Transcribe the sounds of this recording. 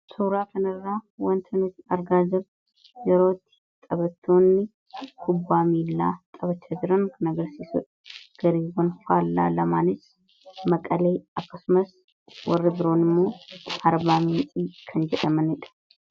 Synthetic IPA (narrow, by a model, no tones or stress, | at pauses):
suːɾaːkɐnɪrːaːwɐnt̪ʰɐnɪt̪ɐɾɡaːd͡ʒɪɾ | jɛɾo̞ːt̪ːɪ̥ | t̪ʼɐbɐt̪ʰːoːnːɪ | kʰʊbːaːmiːlːaːt̪ʼɐβɐt͡ʃːad͡ʒɪɾɐnkɐnɐɡɐɾsiːsʊᶑ | ɡ̥ɐɾiːwɔnfaːlːa̰ːlɐmaːnɪs | mɐkʼɐleːɐkːɐsʊmɐs | wʔɔrːɪbɪɾo̞ːnɪmːo̞ːɐɾbaːmiːnsʼiːkʰɐnd͡ʒɛᶑɐmɐnɪᶑɐ̥